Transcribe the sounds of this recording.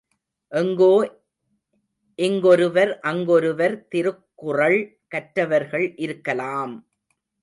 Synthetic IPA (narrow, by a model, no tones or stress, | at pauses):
ʔɛŋɡoː | ʔɛŋɡɔɾɯʋɐɾʔɐŋɡɔɾɯʋɐɾt̪ɪɾɯkːʊrɐɭ | kɐʈɾɐʋɐɾɣɐɭʔɪɾɯkːɐlaːm